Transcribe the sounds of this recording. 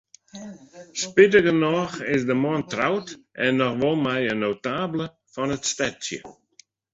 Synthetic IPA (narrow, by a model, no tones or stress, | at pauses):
spɪtəɡənɔxɪsdəmɔntrawtʔɛnːɔxʋɔlˠmɛjənowtaːblə | fɔnətstɛtsjə̰